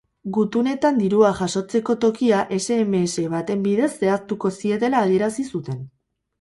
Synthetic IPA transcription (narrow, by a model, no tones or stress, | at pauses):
ɡut̪une̞t̪and̪iɾuaʝaso̞t͡se̞ko̞t̪o̞kiaʔe̞se̞ːmeːse̞βat̪e̞mbiðe̞se̞ast̪uko̞sie̞t̪e̞laːðie̞ɾasisut̪e̞n